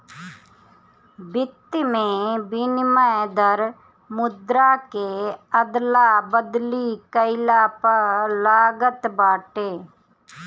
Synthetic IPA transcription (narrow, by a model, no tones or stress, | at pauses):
bɪt̪ːmẽːbɪnməed̪əɾ | mʊd̪ɾaːkeːəd̪laːbəd̪liːkəɪlaːpəɾlaːɡət̪baːʈeː